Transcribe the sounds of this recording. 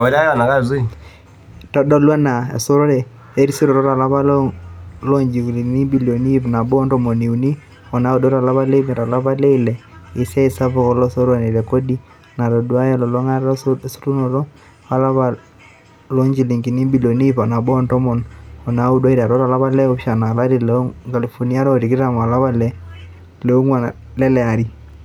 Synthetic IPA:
ɔ˨ɾa˦ja˦˨na˨ka˦˨zu˦˨ | tɔ˦dɔ˦lwa˦na˨ḛ˨so˦ɾɔ˦ɾɛ˨ | e˦ɾi˦si˦ɾɔ˨ɾɔ˦ɾa˨la˦βa˦l | lɔ˦ɲd͡ʒi˨kli˨ni˦bi˨lo˨ni˦fna˨bɔ˦ntɔ˨mɔ˨ni˨u˨ni˦ | ɔ˨na˨˦u˦dɔ˦ɾa˨la˦βa˦le˦me˨ɾa˨la˦βa˦le˦i˦lɛ˨ɪ˨sɛ˦i˨sa˦pɔ˦˨kɔ˨lɔ˦so˦ɾwa˨ne˨ɾɛ˨ko˦di˦ | na˨ɾɔ˨dwa˦jɛ˨lɔ˨lɔ˦ŋa˦ɾɔ˦su̥˦tu˦nɔ˨ɾɔ˦ | a˨la˦βa˨ | lɔ˦ɲd͡ʒi˨li˨ŋki˨ni˦bi˨lɔ˨ni˦fa˨na˨bɔ˦ntɔ˦mɔ˨nɔ˨na˨˦u˦dwa˦i˦ɾa˨ɾɔ˦ɾa˨la˦βa˦lɛ˦ɔ˦pʃa˨na˨la˦ɾi˨lɛo˦ka˨li˨fɔ˨ni˦a˦ɾɔ˦˨ɾi˨ki˦ɾa˨m˨a˨la˦βa˦lɛ˦ | lɛ˨u˦ŋwa˨ | lɛ˦lɛ˨a˨ɾi˦

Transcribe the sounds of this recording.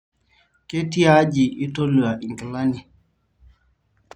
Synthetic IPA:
ke˦ti˦a˦d͡ʒi˨ʔi˦to˦lu˨a˨ʔi˨ŋ˨ki˨la˦ni˨

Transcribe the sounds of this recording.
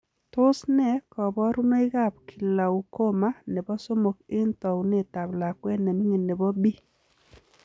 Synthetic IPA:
tʊ˦snɛ˦kɔ˨bɔ˦ɾu˦no˦ɪ˦ɣa˦˨p̚kʰi˨la˨u˨ko˦ma˦ne˨bɔ˦so˦mo˨kɪ˦ntɔ˨u˨ne˦˨ta˨bla˨kwɛ˦nɛ˨ni˦ŋe˨ne˨bɔ˦bi˦

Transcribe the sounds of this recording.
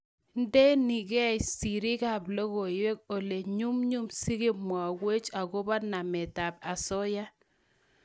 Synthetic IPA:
n˦de˦ni˨ɡɛ˦˨si˨ɾɪ˦ka˦˨blɔ˦ɣo˨ɪ˨we˦k̚o˨le˨ɲu˦mɲu˦msi˦ɣɪ˦mwa˨we˦t͡ʃa˨ɡo˦ba˦na˨mɛ˨ta˨b̚a˨sɔ˦ja˦

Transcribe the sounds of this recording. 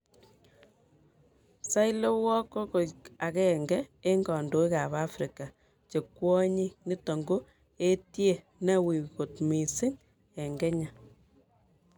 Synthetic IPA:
sa˦jle˦wɔ˦ko˦ko˨a˨kɛ˦˨ŋɡɛ˦e˦ŋɡɔ˨ndo˨i˦ka˨ba˦fɾi˨ka˨ | t͡ʃe˨kwɔ˦ɲi˦ni˦tɔ˨ŋɡo˦ | e˦tje˦˨ | nɛ˦wi˨ko˨tmi˨sɪ˦ŋ | ɛ˨ŋɡɛ˦ɲa˨

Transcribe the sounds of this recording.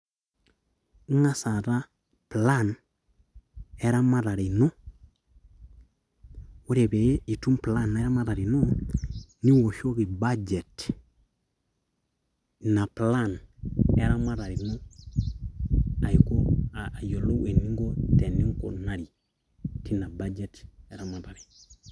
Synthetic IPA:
ŋa˦sa˨ɾa˦ | pla˦˨n | e˦ɾa˦ma˦ɾa˨ɾi˨no˦ | wo˦ɾe˨be˨˦i˨tu˦mpla˦˨nː˨˦ɾa˦ma˦ɾa˨ɾi˨no˦ | ni˦wo˨ʃo˦ki˨ba˦d͡ʒe˨t | na˨pla˦˨ne˦ɾa˦ma˦ɾa˨ɾi˨no˦ | a˨i˨ko˦aː˨jo˨lo˦e˨ni˦ŋɡo˦te˨ni˦ŋko̰˨na˨ɾi˨ | ti˦na˨ba˦d͡ʒe˦te˨˦ɾa˦ma˨ɾa˨ɾi˨

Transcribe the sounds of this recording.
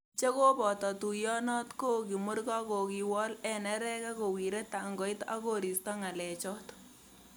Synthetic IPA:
t͡ʃe˦ko˦pɔ˨tɔ˨tu˨jɔ˦nɔ˦tko˦ki˨mʊ˦ɾkɔ˦ko˨ki˨wɔ˦lɛ˨nɛ˦ɾɛ˦kɛ˦ko˨wi˨ɾe˦ta˨ŋɡɔ˨˦ɪ˦ta̰˦ko˦ɾi˨stɔ˦ŋa˨lɛ˨t͡ʃɔ˦t

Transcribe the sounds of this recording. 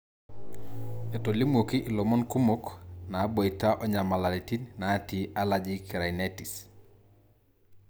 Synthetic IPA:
e˨to˨li˦mo˨ki˦ʔi˨lo˨mɔ˦nku˦mo˦kna˨˦bo˨i˨ta˦ʔɔ˦ɲa˨ma˨la˨li˨ti˦nna˨˦ti˨a˦la˨d͡ʒi˦ki˨ɾa˨ine˦ti˨s

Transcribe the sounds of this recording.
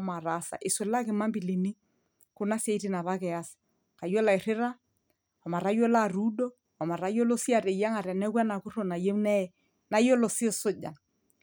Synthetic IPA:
ma˨ɾa˨˦sa̰˨ʔɪ˨swʊ˨la˦kɪ˨ma˦mbɪ˨li˨ni˦ | kʊ˦na˦se˨i˦tɪ˦na˨βa˦kɛ˨a˦sɪ̥˨ | ka˨jo˦la˨ɪ˨ɾɪ˦ɾa˦ | ɔ˨ma˨ɾa˦jo˦la˦˨ru˦do˦ | ɔ˨ma˨ɾa˦jo˦lo˦si˦a˨ɾɛ˨ja˦ŋa˨ɾɛ˨nɛ˦kwɛ˦na˨kʊ˦ɾo˨na˨je˦mnɛ˦˨ | na˦jo˦lo˨sɪ˦˨sʊ˦d͡ʒa̰˨n

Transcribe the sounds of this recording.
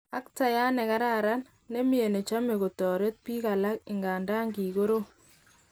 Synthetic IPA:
a˦k̚ta˨ja˦nɛ˨ka˦ɾa˦˨ɾa˦n | ne˦mi˦e˨ne˨t͡ʃa˦me˨ɣo˨tɔː˨ɾe˦t̚pi˦ka˨la˦kɪ˨ŋɡa˨ndaː˦ŋɡi˨ɣo˦ɾo˦

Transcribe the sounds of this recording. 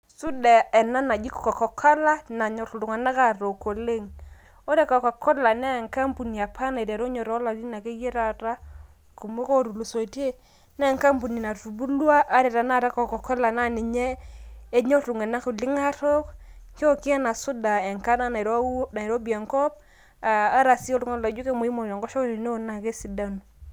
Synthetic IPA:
su˦da˨ɛ˨na˦na˨ɡi˦kɔ˨kɔ˨kɔ˨kʰa˦la˦na˨ɲɔ˨tu˨lu˨ŋa˨na˦ka˨ɾo˨ko˨le˦ŋ | o˦ɾɛ˦kɔ˨ka˨kɔ˦la˨nɛ˦˨ŋka˦mpu˨ni˨a˨pʰa˦na˨i˨ɾa˨ɾo˦ɲɔ˨ɾɔ˨˦la˨di˦na˨ke˦je˦ɾa˨ɾa˦ | ko˨mo˦ko˦˨ɾu˨lu˨so˨te˦ | nɛ˦˨ŋka˦mpu˨ni˨na˨tu˨bu˦lwa˦ʔa˦ɾe˨ɾa˨na˦˨ɾɛ˦kɔ˨kɔ˨kɔ˦la˨na˦˨ni˨ɲɛː˦ | ɲɔ˦tu˨ŋe˨na˦ku˨lɪ˦ŋa˦ɾɔ˦k | ko˦ki˦a˦na˨sʊ˦da˨ɛ˨ŋka˦na˦n˨ɾna˨i˨ɾo˦bi˨a˨ŋkɔ˦p̚ | aː˨˦ɾa˨si˦ɔ˦lu˦ŋɔ˦˨la˨˦d͡ʒu˦ke˦mo˨i˦mo˨n˨a˨ŋɡɔ˦ʃɔ˦kɾi˨ne˦o˦˨na˨ke˦si˨da˦nu˨

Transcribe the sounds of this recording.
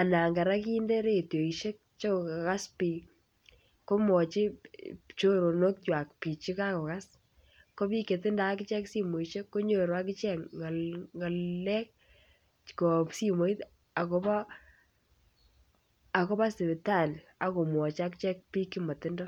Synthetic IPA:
a˨na˨ŋɡa˨ɾa˦ki˦nde˦ɾe˦˨tjo˨i˨ʃe˦k̚t͡ʃo˦˨ka˨ka˦spi˨ | ko˦mɔ˨t͡ʃi˦t͡ʃo˦ɾo˨no˦k̚twa˨k̚pi˨t͡ʃi˦ka˦kɔ˨ka˦s | ko˦pi˦ke˨tɪ˦nda˨˦kɪ˦t͡ʃɛ˦ksi˦mo˨i˨ʃe˦kːo˦ɲo˨ɾa˦kɪ˦t͡ʃɛ˦˨ŋa˨lŋa˨lːɛ˦k̚ | ko˨psi˦mo˨i˦t | a˨ko˦ba˦ | a˨ko˦pa˦sɪ˨bɪ˨ta˦˨n˨ | a˨ko˨mwɔ˨t͡ʃa˦kt͡ʃɛ˦k̚pi˦ki˦mɔ˨tɪ˦ndɔ˦

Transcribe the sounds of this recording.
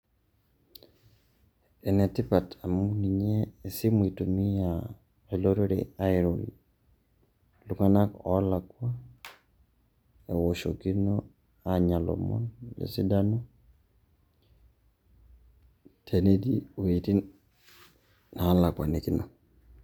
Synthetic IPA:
e˨nɛ˨tɪ˦pa˨tʰa˨mu˦ni˨ɲeː˦˨si˦mu˨i˨to˨mi˦a˨ | e˨lo˦ɾoɾḛa˦ɪɾo˨lḭ | luŋa˦na˦kɔ˦la˨kwa˦ | e˨wo˨ʃoki˦no | aɲa˨lɔ̰˨mɔ̰˦nlḛsi˦da˦nɔ˦ | tʰe˨ne˦di˦o˨i˨ti˦ | na˨˦la˨kwa̰˨ni˨kɪ˦nɔ˨

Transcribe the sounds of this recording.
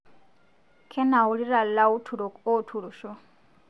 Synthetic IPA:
kʰɛ˦na˨u˨ɺi˦ɾa˨lla˦u˦tʰu˨ɾo˨ko˦tʰu˨ɺu˨ʃɔ˦

